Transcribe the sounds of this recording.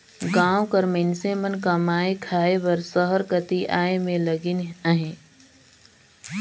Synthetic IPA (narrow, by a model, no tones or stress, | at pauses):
ɡãːokəɾmensemənkɐmaːekʰaːeʋəɾsəɦəɾkət̪iʔaːemẽləɡɪnəɦẽː